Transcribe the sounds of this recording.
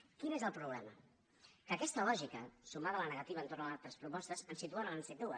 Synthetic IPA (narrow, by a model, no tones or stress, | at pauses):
kinezəlˠpɾuɣlɛmə̰ | kəkɛst̪əlɔʒikəsumaðələnəɣət̪iβəːnt̪ornəalˠt̪ɾəspɾupɔst̪əzənsit̪uanəlansed̪uə